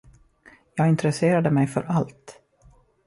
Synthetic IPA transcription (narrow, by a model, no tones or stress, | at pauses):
jɑːɡɪnt̪ɾɛseːɾad̪əmɛjfœ̰ɾʔalt̪